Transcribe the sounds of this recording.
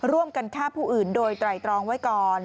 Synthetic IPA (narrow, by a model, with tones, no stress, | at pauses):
ɾu˥˩əmka˧nkʰaː˥˩pʰuː˥˩ʔɯː˨˩ndoː˧jt̪ɾa˨˩jt̪ɾɔː˧ŋwa˦˥jkɔː˨˩n